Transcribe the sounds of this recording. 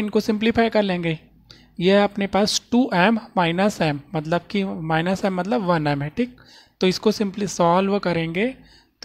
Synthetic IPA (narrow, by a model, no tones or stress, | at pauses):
ɪnkosɪ̃mplɪfʰaːjkɐɾlẽːŋɡe | jeɐpnepaːsʈuːʔɛːmːaːɪnəsɛːmːɐt̪ləb̚kimaːɪnəsɛːmːɐt̪̬ləbʋɐnɛːmɛːʈʰik̚ | t̪oɪskosɪ̃mplisɔːlʋkɐɾẽːŋɡeː